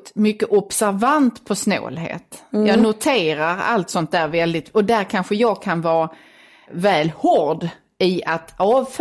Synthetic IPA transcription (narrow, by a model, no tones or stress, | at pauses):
t̪mʏkːəʔɔbsæɾvant̪pʰɔsno̰ːlɦḛːt̪jɑːnʊt̪ʰeːɾaɾa̰lt̪sɔnt̪̚d̪æːɾvɛld̪ɪt̪ɔd̪æɾkʰanɧəjɑːɡkʰanvɑː | vɛːlhɔɾɖ | ɪat̪ɑːvf